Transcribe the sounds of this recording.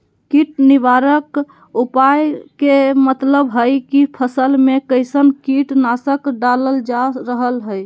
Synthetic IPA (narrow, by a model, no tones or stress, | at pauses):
kiʈniʋaɾək | upajkemət̪ləbɦəjkipʰəsəlmekəɪsənkiʈnasəkɖaləld͡ʒaɾəɦəlɦəj